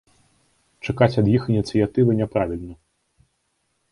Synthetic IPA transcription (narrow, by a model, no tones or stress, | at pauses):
t͡ʂakat͡sʲɐd̪jixinʲit̪sɨjat̪ɨvɨnʲɛpɾavʲilʲnɐ